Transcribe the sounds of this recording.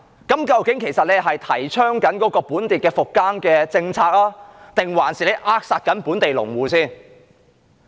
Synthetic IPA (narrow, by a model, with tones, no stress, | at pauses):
kɐ˨˥mkɐ˧wkɪ˨˥ŋkʰe˨˩jsɐ˨t̚le˨˧jɦɐ˨jt̪ʰɐ˨˩jt͡ʃʰœː˥ŋkɐ˨˥nkɔː˨˥kɔː˧puː˨˥nt̪iː˨t̚kɛː˧fʊ˨kːaː˥nkɛː˧t͡sɪ˧ŋt͡sʰaː˧k̚laː˥t̪ɪ˨ŋwaː˨˩nsiː˨˩le˨˧jʔaː˧˥k̚saː˨˧t̚kɐ˨˥npuː˨˥nt̪e˨jlʊ̰˨˩ŋwuː˨siː˥n